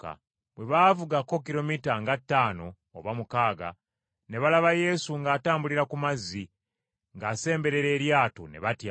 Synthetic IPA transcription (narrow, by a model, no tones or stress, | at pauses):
ka̰ | bwe̞βavuɡako̞kiɾo̞mitaŋɡatːaːno̞̰ːβamukaːɡa̰ | ne̞βalaβaje̞suŋɡaːtaːmbuliɾakumazːi | ŋɡaːse̞ːmbe̞ɾe̞ɾe̞ːɾjaːto̰ne̞̰βatja